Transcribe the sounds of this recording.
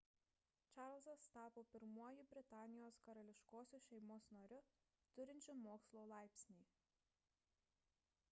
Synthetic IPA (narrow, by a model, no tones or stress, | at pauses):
t͡ʃɑɾlˠsɐst̪ɑːpoːpʲɪɾmuɔjɪbʲɾʲɪt̪ɑːnʲɪjoːskɐɾɐlʲɪʃkoːsʲuʃʲɛɪmoːsnɐɾʲʊ | t̪ʊɾʲɪnʲt͡ʃʲʊmoːkslˠolˠɑˑɪpʲsʲnʲiː